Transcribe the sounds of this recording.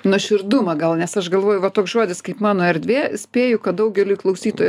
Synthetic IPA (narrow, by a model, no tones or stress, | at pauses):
nʊʃʲɪɾd̪ʊmɐɡɐlˠnʲɛsɐʃɡɐlˠʋoːjʊʋɐt̪oːksʒoɔd̪ʲɪskɐɪpmɑːnoːɛɾʲd̪ʲʋʲeːsʲpʲeːjʊkɐtd̪ɐʊɡʲɛlʲujklˠɐʊsʲiːt̪oːj